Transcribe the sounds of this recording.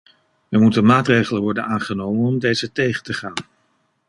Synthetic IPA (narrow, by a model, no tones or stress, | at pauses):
əɹmutənmaːtrejχələnʋɔɹdənaːnχənowmənɔmdejzətejχətəχaːn